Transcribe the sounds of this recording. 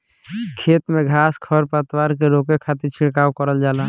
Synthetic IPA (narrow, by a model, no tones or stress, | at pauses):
kʰeːt̪mẽɡʱaːskʰəɾpət̪waɾkeɾokekʰat̪iɾt͡ʃʰɪɽkaːwkəɾəld͡ʒaːlaː